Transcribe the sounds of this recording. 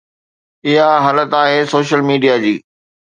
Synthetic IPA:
ɪɦaɦaːlət̪aːɦeːsoːʃəlmiːɖijad͡ʑiː

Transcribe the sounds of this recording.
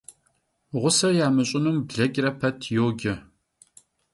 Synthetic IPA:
ʁʷʊsɐjaːmɨɕʼɪnumbɮɐɡʲʼrɐpʰɐtʰjoːɡʲɪ

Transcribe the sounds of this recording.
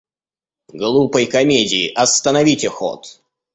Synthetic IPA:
ɡlˠupəjkɐmʲedʲɪɪʔɐst̪ənɐvʲitʲɪxo̰t̪

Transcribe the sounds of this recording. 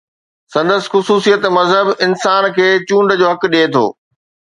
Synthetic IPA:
sɐ̃nd̪əsɪ̥̆xʊsuːsijət̪mɐzɦəbɪnsaːnkʰeːt͡ɕũːɳɖd͡ʑoːɦɐk̆ɗeːt̪ʰo̰ː

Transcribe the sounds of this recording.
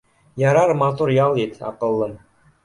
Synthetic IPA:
jɑɾɑɾmɑt̪uɾjɑlˠit̪ɑ̰qɤ̆lˠːɤm

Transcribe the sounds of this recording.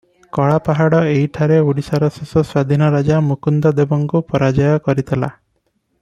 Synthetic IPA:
kɔɭapaɦaɽɔeɦiʈʰaɾeuɽisaɾɔsesɔswad̪ʱinɔɾad͡ʒamukund̪ɔd̪ebɔŋkupɔɾad͡ʒɔjɔkɔɾit̪ʰela̰

